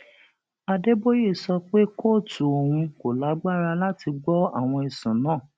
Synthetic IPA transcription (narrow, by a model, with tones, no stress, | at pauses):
a˧de˦bo˦je˦˨sɔ˧k͡pe˦kʰo˦˨tu˨o˨ɾũ˧ko˨la˨˦ɡ͡ba˦˨ɾa˧la˦ti˧ɡ͡bɔ˦a˦˨w̃ɔ̃˧i˨sũ˨˦nãː˦˨